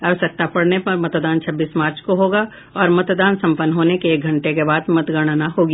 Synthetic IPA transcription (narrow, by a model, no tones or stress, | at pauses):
ɐʋəsək̚t̪apɐɽnepɐɾmɐt̪d̪aːnt͡ʃʰɐbːiːsmaːɾt͡ʃkoɦoːɡa | ɔːɾmɐt̪d̪aːnsɐ̃mpənːɦoːnekeeːk̚ɡʱɐ̃ɳʈekebaːd̪mɐt̪ɡaːɽ̃aːnaɦoːɡija